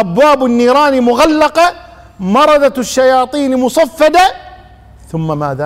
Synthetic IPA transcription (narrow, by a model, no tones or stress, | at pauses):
ʔabwaːbɪnːiːɾˤɑːnimʊɣalːɑqɑ | mɑɾˤɑd̪ɑʃːajɑːt̪ˤiːnmʊsˤɑfːɑd̪a | θʊmːamaːða